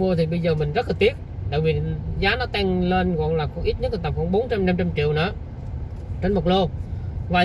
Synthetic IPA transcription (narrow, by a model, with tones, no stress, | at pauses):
mu˧ət̪ʰi˨˩ɓə˧jzəː˨˩mï˨˩ŋ̟zə˦˥laː˨˩t̪i˦˥ət̚ɗa̰ː˧˨vi˨˩zaː˨˦nɔ˨˦t̪ɛ˧ŋle˧nkɔ̰˧˨nlaː˨˩xʔi˦˥t̚ɲə˦˥t̚lt̪a˨˩p̚wɔ˧ɓo˨˦nt͡ɕa˧mna˧mt͡ɕa˧mt͡ɕḭ˧˨wnɨ̰˧˦ | t͡ɕe˧nmo˨˩lo˧vaː˨˩